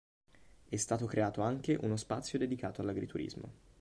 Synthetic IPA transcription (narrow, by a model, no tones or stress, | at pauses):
ɛst̪aːt̪okɾʔeaːt̪oaŋk̟eʔunospat̪sːjod̪ed̪ikaːt̪oalːaɡɾit̪uɾḭzmo̰